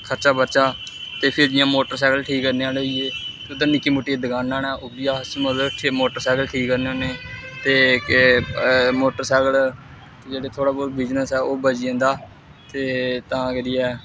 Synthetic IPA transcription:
kʰəɾt͡ʃaːbəɾt͡ʃaː | t̪eːpʰɪɾd͡ʒɪjãːmoːʈəɾsɛːkəlʈʰiːkːəɾneːaːloieːt̪eʊd̪ãːnɪkːiːmoʈːiːed̪əɡaːnãːnɛːʔobɪjaːəsmət̪ləbʈʰːmoːʈəɾsɛːɡəlʈʰiːkːəɾneoːneːt̪eːk | moːʈəɾsɛːkəl | t̪eːd͡ʒeːɽeːt̪ʰoːɽaːboːɾbɪd͡ʒnəsɛːoːbəd͡ʒɪẽːnd̪aː | t̪eːt̪ãːkeɾiːɛː

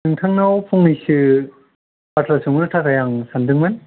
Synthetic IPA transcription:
ɯŋtʰaŋnawpʰɔŋnisɯ | batʰlasʰuŋɾɯtʰatʰajaŋsandɯŋmɯn

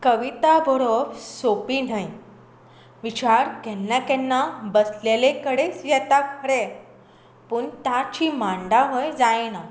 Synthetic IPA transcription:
kəʋit̪abʱəɾobsopin̤aj | ʋit͡ɕaɾkɛnːakɛnːabəslelekəɽet͡sjɛt̪akʰəɾe | puːɳt̪at͡ɕimaɳɖaʋəjd͡zajna

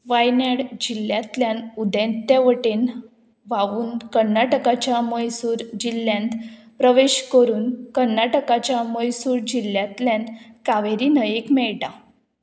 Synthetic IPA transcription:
ʋajnaɽd͡ʑilːjat̪ljãnud̪ɛ̃nt̪aʋəʈen | ʋaʋuːnkəɾnaʈəkat͡ɕjaməjsuːɾd͡ʑilːjãnt̪pɾəʋeɕkəɾuːnkəɾnaʈəkat͡ɕjaməjsuːɾd͡ʑilːjat̪ljãnkaʋeɾinəjekmɛɭʈa

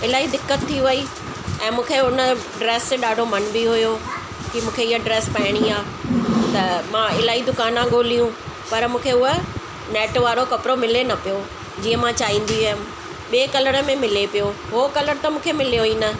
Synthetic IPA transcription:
ɪlaːɦid̪ɪkːət̪ʰːiʋɐi | ɛ̃ːmũːkʰeʊnə̆ | ɖɾeːsɗaːɖʱomɐnbiɦʊjo | kimũːkʰeɪɦəɖɾeːspɐɪɽ̃iaː | t̪ɐmãɪlaːɦid̪ʊkaːnãɠoːlijũ | pɐɾmũːkʰeʊɦə | nɛːʈʋaːɾokɐpɾomɪlenɐpijo | d͡ʑiːə̃mãt͡ɕaːɦĩːn̆d̪iɐɦɪm | ɓieːkɐləɽə̆mẽmɪlepijoɦokɐləɾt̪ɐmũːkʰemɪlijoiːnɐ

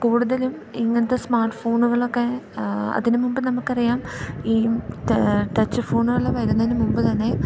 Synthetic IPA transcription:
kuːɽuðɐlumiŋːɐnɐt̪ːesmaːrʈːɨ̥fo̞ːɳuɣɐɭo̞kːe̞ɐ̰ðinumumbɨnɐmukːɨɐrijaːmiː | ʈɐt͡ɕːɨfo̞ːɳuɣɐɭeʋɐɾunːɐðinumumbɨt̪ɐnːe̞

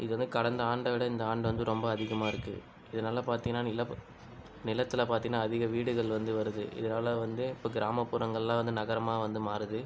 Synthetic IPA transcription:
ɪðɯʋɐnd̪ɯkɐɽɐnd̪ɐaːɳɖɐʋɪɽɐɪnd̪ɐaːɳɖɯʋɐnd̪ɯɾɔmbɐːðɪɣɐmaːɪɾɯkːɯ̰ | ɪðɐnaːlɐpaːɾt̪iŋɡɐnːaːnɪlɐ | nɪlɐt̪ːɪlɐpaːɾt̪ĩŋɡɐnːaːðɪɣɐʋiːɽɯɣɐɭʋɐnd̪ɯʋɐɾɯðɯʔɪ̰ðɐnaːlɐʋɐnd̪ɯɪpːoːɡɪɾaːmɐpːʊɾɐŋɡɐɭɛlãːʋɐnd̪ɯnɐɣɐɾɐmaːʋɐnd̪ɯmaːɾɯðɯ

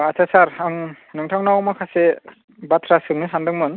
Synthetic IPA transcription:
at͡ʃʰasaɾaŋ | nɯŋtʰaŋnawmakʰase | batʰɾasɯŋnɯsandɯŋmɯn

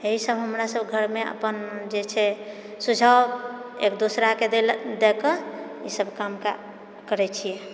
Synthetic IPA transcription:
eɦisəbɦəmɾasəbɡʱəɾmeə̰pənd͡ʒet͡ʃʰɛ | sud͡ʒʱaḛkd̪osɾakeed̪ekəisəbʱkamka̰ | kəɾɛt͡ʃʰijɛ

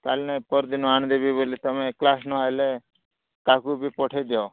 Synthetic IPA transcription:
kaːlnepəɾd̪ɪnoaːɳd̪eːbʱiːboːlet̪əmẽːklaːsnoaleː | kaːkubʱiːpoːʈʰeːd̪joː

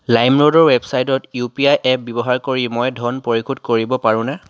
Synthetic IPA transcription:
lajmɹodɔɹwɛbsajtɔtjupiajʔɛp̚bɔbɔɦaɹkoɹimɔjdʱɔnpoɹikʰudkoɹibɔpaɹʊ̃na

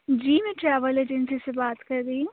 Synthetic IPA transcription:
d͡ʒiːmɛ̃ʈɾɛːʋəled͡ʒɛnsisebaːt̪kɐɾdiiũ

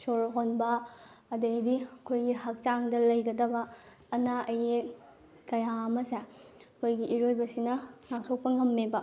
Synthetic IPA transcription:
soɾɦonbɐːdejdiɐkʰojɡihɐk̚t͡ʃaŋdɐlɐjɡɐdɐbɐː | naʔɐje | kɐjaɐmɐseɐkʰojɡiʔiɾojbɐsinɐŋak̚tʰok̚pɐŋɐmːebɐ

